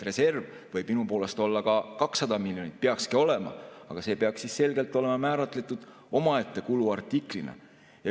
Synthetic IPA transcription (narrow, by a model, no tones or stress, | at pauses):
re̞se̞rv | vɤ̞jb̥minupo̞ːle̞st̪o̞lːɑkɑkɑksːɑd̪ɑmilʲjo̞nit̪̚peɑkskio̞le̞mɑ̰ɑ̰ɡ̥ɑse̞ːpeɑkssisse̞lɡe̞lt̪ːˑo̞lemɑmæːɾɑt̪ˑle̞t̪ːˑud̪̥ | o̞mɑet̪ːe̞kuluɑrt̪ːˑiklinɑ̰ | jɑ